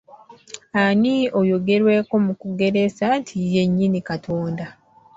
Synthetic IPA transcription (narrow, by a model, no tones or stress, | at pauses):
aniojo̞ɡe̞ɾwe̞ːko̞mukuɡe̞ɾe̞santʰije̞ɲːinikatʰoːnda